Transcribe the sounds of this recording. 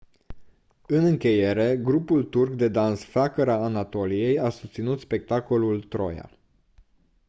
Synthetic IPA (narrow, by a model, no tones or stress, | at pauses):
ɨnɨŋkʲe̞je̞ɾe̞ɡɾupult̪urkd̪e̞d̪ansfakəɾaːnat̪o̞lije̞jasu̥st̪sinut̪spe̞k̚t̪ako̞lult̪ɾo̞̰ja̰